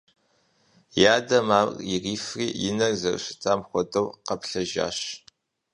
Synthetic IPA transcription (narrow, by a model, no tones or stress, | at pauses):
jaːdɐmaːririːfriːjɪnɐrzɐr̰ɕɪ̥tʰaːmχʷɔdɐwqɐpɬɐʒa̰ːɕ